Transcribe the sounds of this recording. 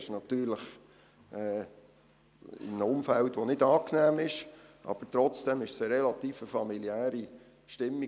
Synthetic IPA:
ɪʃnɑt̪yːɾləχ | ɛ | ɪ̰nnəʊmfæltʋonɪdɑːknæːmɪʃʔɑ̰b̥əɾtɾɔt͡sd̥ɛmɪʃsəɾɛlɑt̪iːfəfɑmiliæːɾi | ʃtɪmːi

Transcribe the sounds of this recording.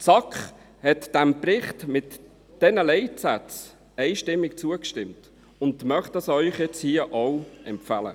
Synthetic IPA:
t͡sɑkχ | hɛtd̥æmprɪχtmɪt | d̥ɛnəlɛɪtsæt͡s | ɛɪʃtɪmːɪkt͡suəkʃtɪmt | ʊndmœχtɑsœʏχjɛt͡shiəʔɔwɛmfælə̰

